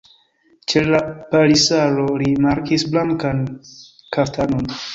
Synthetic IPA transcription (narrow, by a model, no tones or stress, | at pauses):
t͡ʃellapaɾisalo̞limaɾkisblaŋkan | kaftano̞n